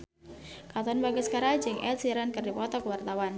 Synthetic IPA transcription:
kat̪ɔnbaɡəskaɾad͡ʒəŋʔɛ̰t̪siɾankərdipɔt̪ɔkəwart̪awan

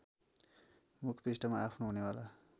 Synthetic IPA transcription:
mukʰpisʈʌmaapʰnoɦunewala

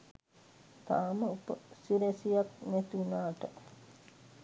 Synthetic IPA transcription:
t̪aːməupə̰siɾesijaknɛt̪iunaːʈə

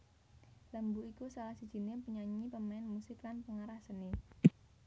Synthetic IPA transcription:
ləmbuikusalahsid̥ʒ̥i̤nepəɲaɲipəmaɛnmusɪklanpəŋaɾahsəne

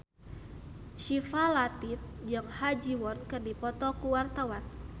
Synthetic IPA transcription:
ʃifalat̪ip̚d͡ʒaŋhad͡ʒiwɔnkɨrdipɔt̪ɔkuwart̪awan

